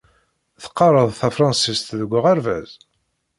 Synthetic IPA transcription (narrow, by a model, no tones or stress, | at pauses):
θə̥qːɑɾˤəðˤθæfɾˤɑnsist̪ðəɡʷːəʁæɾvæz